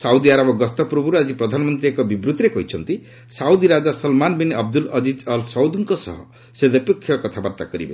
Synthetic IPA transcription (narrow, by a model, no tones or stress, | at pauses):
sawd̪iaɾabɔɡɔst̪ɔpɾɔbuɾad͡ʒipɾɔd̪ʱanɔmɔnt̪ɾiekɔbibɾut̪iɾekɔɦit͡ʃʰɔnt̪i | sawd̪iɾad͡ʒasɔlmanbinɔb̚d̪ulɔd͡ʒid͡ʒɔlsɔwd̪uŋkɔsɔ̰ɦɔ | sed̪epekʰːjɔkɔt̪ʰabaɾt̪akɔɾibḛ